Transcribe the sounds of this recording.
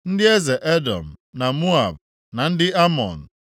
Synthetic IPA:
n̩˦dɪ˦e˦ze˨ʔe˦dɔ̰˨m̩˨na˨mu˦a̰˨b̚ | na˨n̩˦dɪ˦a˦mɔ̰˨n̩˨

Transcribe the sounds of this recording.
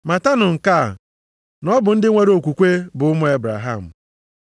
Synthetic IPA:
ma˨ta˦nʊ˨ŋ̩˨ka˦˨ | nɔ˦bʊ˨n̩˦dɪ˦ŋʷe˦ɾo˨kʷu˨kʷe˦bʊ˨ʊ˦mʊ˦e˦bɾa̰˨ɦa˦˨m̩˨

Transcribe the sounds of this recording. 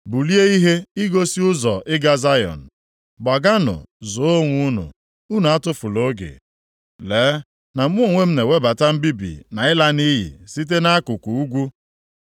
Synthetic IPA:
bu˨li˦e˦i˦ɦe˦i˦ɡo˦si˦ʊ˦zɔ˨ʔɪ˦ɡa˦za˦jɔ̰˨n̩˨ | ba˨ɡa˦nʊ̰˨zʊ˨˦o˦ŋʷu˦nʊ̰˨ | u˦nu˨a˦tʊ˦fʊ˨lo˦ɡḛ˨ | leː˨˦ | na˨m̩˦ʊ˦˨ŋʷe˦m̩˦ne˨we˦ba˨ta˦m̩˦bi˦bḭ˨na˨ɪ˦la˦ni˦ɦḭ˨si˦t̬e˦na˦a˦kʊ˨kʷu˨u˦ɡʷu˦

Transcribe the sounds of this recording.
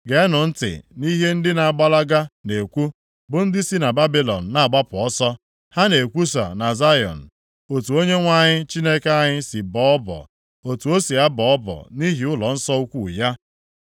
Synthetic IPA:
ɡe˨˦nʊ˨n̩˦tɪ̰˨ni˦ɦe˦n̩˦dɪ˦na˨a˨ɡ͡ba˦la˦ɡa˦ne˨kʷu˦ | bʊ˨n̩˦dɪ˦si˦na˨ba˦bi˦lɔ̰˨n̩˨na˦a˨ɡ͡ba˦pʊ˨ɔ˦sɔ˦ | ha˦ne˨kʷu˦s̬a̰˨na˨za˦jɔ̰˨n̩˨ | o˨tu˨o˦ɲe˦ŋʷa˦ɲɪ˦t͡ʃi˦ne˦ka˦ɲɪ˦si˨bɔ˦ɔ˦bɔ̰˨ | o˨tu˨o˦si˨a˦bɔ˨ɔ˦bɔ̰˨ni˦ɦi˨ʊ˦lɔ˨n̩˦sɔ˦u˦kʷu˨ja˦

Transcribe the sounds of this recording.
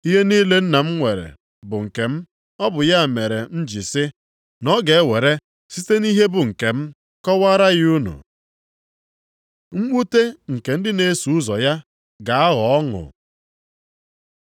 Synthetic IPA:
i˦ɦe˦niː˦le˦n̩˦na˨m̩˦ŋʷe˨ɾḛ˨ | bʊ˨ŋ̩˨ke˨m̩˦ | ɔ˦bʊ˨ja˦˨me˨ɾe˨n̩˦d͡ʒi˨sɪ˦ | nɔ˦ɡe˨˦we˨ɾe˦ | si˦te˦ni˦ɦe˦bʊ˨ŋ̩˨ke˨m̩˦ | kɔ˦wa˦ɾa˦ɣɪ˦u˦nṵ˨ | ŋ͡m̩˦mu˦te˦ŋ̩˨ke˨n̩˦dɪ˦ne˦su˨˦zɔ˨ja˦ | ɡa˨a˦ɣɔ˨ɔ˦ŋʊ̰˨

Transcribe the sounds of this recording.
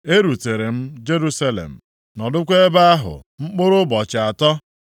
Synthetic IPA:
e˦ɾu˨te˨ɾe˨m̩˦d͡ʒe˦ɾu˦sa˦lḛ˨m̩˨ | nɔ˨dʊ˦kʷe˦e˦ba˦a˦ɦʊ̰˨ŋ͡m̩˦k͡pʊ˦ɾʊ˦bɔ˨t͡ʃɪ˨a˨tɔ˦

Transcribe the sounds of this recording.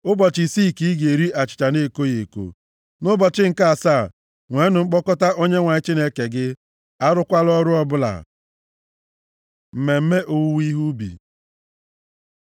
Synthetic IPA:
ʊ˦bɔ˨t͡ʃi˨si˦˨ki˦i˦ɡe˨ɾi˦ʔa˨t͡ʃɪ̥˨t͡ʃa˨ne˦˨ko˦je˨ko̰˨ | nʊ˦bɔ˨t͡ʃɪ˦ŋ̩˨ka˦a˨sa˦˨ | ŋʷe˨˦nʊ˨ŋ͡m̩˦k͡pɔ˦kɔ˦ta˦ʔo˦ɲe˦ŋʷa˨ɪ˦t͡ʃi˦ne˦ke˨ɡɪ˦ | a˦ɾʊ˦kʷa˦lɔ˦ɾʊ˦ɔ˦bʊ˦la̰˨ | m̩˨me˨m̩˦me˦ʔo˨wu˦wi˦ɦu˦bḭ˨

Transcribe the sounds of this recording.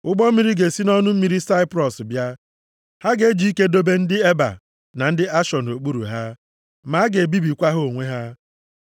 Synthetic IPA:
ʊ˦ɡ͡bɔ˦mi˦ɾi˦ɡe˨si˦nɔ˦nʊ˦m̩˦mi˨˦ɾi˦sa˦ɪ˦pɾɔ˨sbja˦ | ha˦ɡe˨˦d͡ʒi˨˦i˦ke˦do˦be˦n̩˦dɪ˦e˦ba̰˨ | na˨n̩˦dɪ˦a˦ʃɔ˨n˨o˨k͡pu˦ɾṵ˨ɦa˦ | ma˨˦ɡe˨bi˦bi˨kʷa˦ɦo˦˨ŋʷe˦ɦa˦

